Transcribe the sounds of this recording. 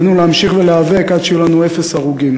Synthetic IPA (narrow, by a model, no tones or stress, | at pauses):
nuleamʃiχveleavekad̪ʃejulanue̞fesaʁuɡim